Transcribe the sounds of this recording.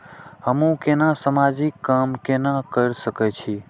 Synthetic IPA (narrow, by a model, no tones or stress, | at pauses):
əmũkenãsəmad͡ʒikːamkenakəɾʃəket͡ʃʰi